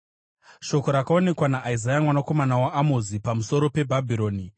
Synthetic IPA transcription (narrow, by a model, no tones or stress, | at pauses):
ʃo̞ko̞ɾakao̞ne̞kwanaʔaizajamwanako̞manawaʔːmozipamuso̞ɾo̞pe̞bʱabʱiɾo̞ːni